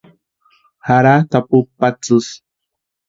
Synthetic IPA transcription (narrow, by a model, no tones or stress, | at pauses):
haɾat̪apupːat͡sɨs